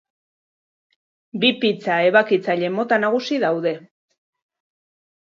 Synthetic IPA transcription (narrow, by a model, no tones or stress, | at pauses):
bipit͡sae̞βakit͡saʎe̞mo̞t̪anaɣ̞usiðawðe̞